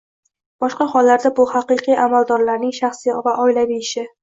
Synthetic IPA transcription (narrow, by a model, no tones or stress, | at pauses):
b̥ɒʃqɑχɒlːaɾd̪abʊhɑqɨqʰijʔamald̪ɒɾlaɾnɪŋʃaχsivaʔɒɪlabiɪʃɪ